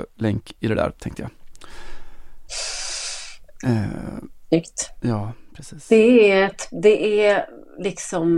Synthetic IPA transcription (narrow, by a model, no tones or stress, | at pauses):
lɛŋkɪd̪ɛd̪æ̰ːɾt̪ʰɛ̰̃ŋkt̪əja̰ | ʏkt̪jɑːpʰɾɛsiːd̪̥ɛæɛt̪d̪ɛʔælɪksɔm